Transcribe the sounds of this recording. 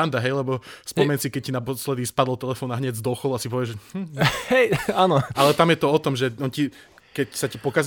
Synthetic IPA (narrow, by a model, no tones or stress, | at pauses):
and̪aɦɛjlɛbɔspɔmɛɲsikɛc̚cːinapɔslɛd̪iːspad̪lt̪ɛlɛfɔːnaɦɲɛɟzd̪ɔxɔlˠuasipɔʋɪɛʒmm̩hɛjaːnɔʔalɛt̪amjɛt̪ɔɔt̪ɔmʒɛɔnci | kɛcsacapɔkaz